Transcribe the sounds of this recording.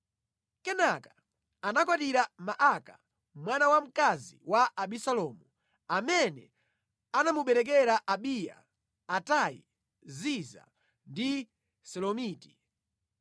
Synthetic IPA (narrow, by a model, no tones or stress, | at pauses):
kɛnakḁ | anakwatiɾamaʔaka | mwanawam̩kaziwaʔaɓisalɔːmu | amɛnɛ | anamuɓɛɾɛk̬ɛɾaʔaɓija̰ː | taḭ | ziza̰ | ndi | sɔlɔmiːti̥